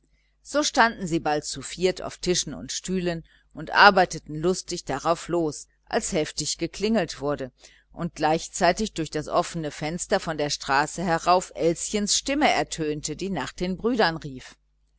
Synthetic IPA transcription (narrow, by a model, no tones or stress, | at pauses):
z̥oːʃtandn̩ziːbalt̚t͡sufiːɐtʰa̰ʊftʰɪʃn̩ʊ̰ntʃtyːlən | ʔʊntʔa̰ɐbaɪtətn̩lʊstɪçd̥aʁaʊfloːs | ʔa̰lshɛftɪçɡ̥əkl̥ɪŋl̩tv̥ʊɐdə | ʔʊnt̚ɡ̥laɪçt͡saɪtɪçd̥ʊɐçd̥asʔɔfənəfɛnstɐfɔndeːɐʃtʁ̥aːsəɦɛʁaʊfʔɛlsçənsʃtɪməʔɛɐtʰøːntədiːnaːχd̥eːnbʁyːdɐnʁiːf